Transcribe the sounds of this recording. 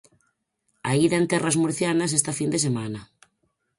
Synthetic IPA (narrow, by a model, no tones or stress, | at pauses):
aiðant̪ɛrazmoɾθjanas̬est̪afind̪esemana